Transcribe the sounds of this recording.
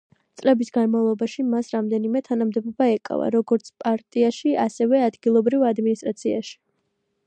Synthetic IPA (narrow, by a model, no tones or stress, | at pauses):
t̪sʼlɛbisɡanmavlˠɔbaʃimasɾamd̪ɛnimɛt̪ʰanamd̪ɛbɔbaɛkʼa̰va̰ɾɔɡɔɾt̪sʰpʼaɾt̪ʼiaʃiasɛvɛad̪ɡilˠɔbɾivad̪minist̪ʼɾat̪sʰia̰ʃi̥